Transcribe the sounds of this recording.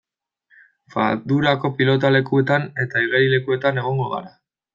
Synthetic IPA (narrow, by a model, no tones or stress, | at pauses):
fa̰ðuɾako̞pilo̞t̪ale̞kue̞t̪ane̞t̪aiɣeɾile̞kue̞t̪ane̞ɣ̞o̞ŋɡo̞ɣa̰ɾa